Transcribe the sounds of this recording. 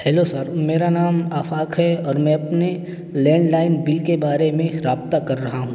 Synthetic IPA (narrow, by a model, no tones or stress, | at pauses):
ɦɛːlosɐɾmeːɾanaːmaːfaːkɦɛɔːɾmɛ̃ɐpne | lɛ̃ːɳɖlaːɪnbɪlkebaːɾemẽɾaːb̚t̪akɐɾːɐɦaɦũː